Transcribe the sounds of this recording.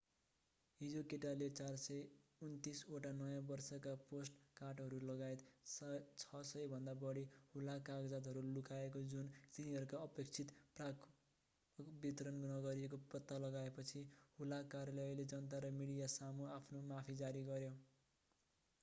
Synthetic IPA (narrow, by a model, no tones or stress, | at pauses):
ɦid͡zokeʈalet͡sarsʌjunt̪isoʈanʌjãbʌrsʌkaposʈkarʈɦʌɾulʌɡajt̪ | t͡sʰʌsʌjbʱʌnd̪abʌɽihulakaɡd͡zat̪ɦʌɾulukaekod͡zunt̪iniɦʌɾukaʌpekt͡sʰit̪prak | bit̪ɾʌnnʌɡʌɾiekoprʌt̪ːalʌɡaepʌt͡sʰihulakaɾjʌlʌjled͡zʌnt̪̬aɾʌmiɽijasamuapʰnomapʰid͡zaɾiɡʌɾjo